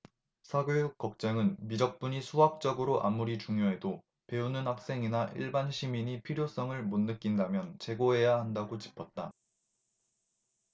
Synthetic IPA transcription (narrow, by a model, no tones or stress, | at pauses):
sʰaɡejuk̚k͈ːʌk̚t͡ɕ͈aŋɯnmid͡ʑʌk̚p͈uɲisʰuɦak̚t͡ɕ͈ʌɡɯɾoʔamːuɾit͡ɕuŋjoɦe̞do | pe̞unɯnhak̚s͈e̞ŋinaʔḭɭbanɕʰimiɲipʰiɾjos͈ʌŋɯɭmonːɯk͈indamjʌnt͡ɕe̞ɡoɦe̞jahandaɡot͡ɕi̥pʰʌt̚t͈a